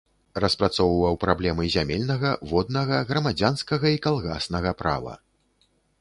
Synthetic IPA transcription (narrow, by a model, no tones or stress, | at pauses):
rɐspɾat̪sɔwvɐwpɾablʲɛmɨzʲamʲɛlʲnɐɣɐvɔd̪̚nɐɣɐɣɾɐmad͡zʲanskɐɣɐikalˠɣa̰snɐɣɐpɾa̰vɐ̰